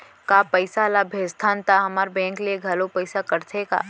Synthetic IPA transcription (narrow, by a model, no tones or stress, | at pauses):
kaːpəɪsalabʱeːst̪ʰaːnt̪aɦɐmaːɾbɛ̃ːŋklieɡʱɐlopɐɪsakɐɾt̪ʰeka̰ː